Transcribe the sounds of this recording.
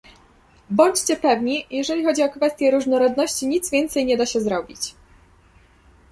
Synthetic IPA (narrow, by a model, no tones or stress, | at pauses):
bɔɲt͡ɕt͡ɕɛpɛvɲijɛʐɛlʲixɔd͡ʑiɔkfɛst̪ʲjɛɾuʐnɔɾɔd̪nɔɕt͡ɕiɲit̪zvʲjɛnt̪sɛjɲɛd̪aɕɛzɾɔbʲit͡ɕ